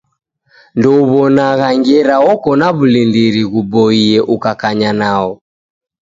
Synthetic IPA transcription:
ndɔuβɔnaɣaŋɡɛɾaɔkɔnaβulindiɾiɣubɔiɛʔukakaɲanaɔ

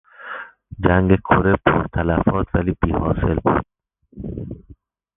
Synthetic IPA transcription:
d͡ʒæŋɡekʰoɾepʰo̰ɾt̪ʰælæfɒːt̪ʰvæliːb̥iːhɒːse̞lbṵːd̪̥̚

